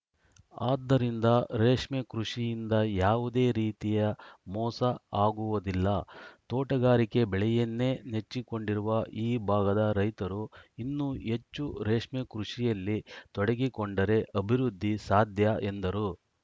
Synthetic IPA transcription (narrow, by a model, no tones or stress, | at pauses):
aːd̪ːɐɾind̪ɐɾeːʂmɛkɾuʂijind̪ɐjaːʋud̪e̞ːɾiːt̪ijɐmɔːsɐaːɡuʋɐd̪ilːɐt̪ɔːʈɐɡaːɾike̞bɛɭɛjɐnːe̞ːnet͡ʃːiko̞ɳɖiɾuʋɐʔiːbʱaːɡɐd̪ɐɾɐjt̪ɐɾuinːue̞t͡ʃːuɾeːʂmɛkɾuʂijɐlːit̪ɔɽeɡikoɳɖɐɾe̞ʔɐbʱiɾud̪ʱːisaːd̪ʱjɐʔend̪ɐɾu